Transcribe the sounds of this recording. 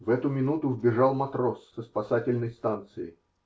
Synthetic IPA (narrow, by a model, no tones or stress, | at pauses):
vɛt̪ʊmʲɪnut̪ʊvbʲɪʐɑlˠmɐt̪ɾosːəspɐsatʲɪlʲnəjst̪ant̪sɨɪ̰